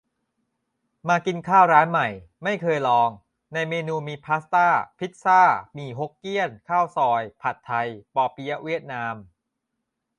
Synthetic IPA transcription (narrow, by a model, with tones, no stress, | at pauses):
maː˧ki˧nkʰaː˥˩wɾaː˦˥nma˨˩jma˥˩jkʰɤː˧jlɔː˧ŋ | na˧jmeː˧nuː˧miː˧pʰaː˦˥st̪aː˥˩pʰi˦˥t̪̚saː˥˩miː˧ɦo˦˥kːi˥˩ənkʰaː˥˩wsɔː˧jpʰa˨˩t̪ʰːa˧jpɔː˧pʰi˦ja˥wi˥˩ət̪̚naː˧m